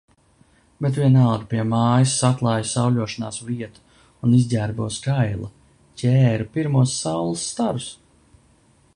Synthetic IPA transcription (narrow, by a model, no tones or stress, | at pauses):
bet̪vʲiɛnalˠɡupiɛmaːjisːatlˠaːjsawlʲuɔʃanaːsviɛt̪u̥ | unizʲdʲæːɾbuɔskajlˠa | cʲʰɛːɾupiɾmuɔsːawlˠasːt̪aɾus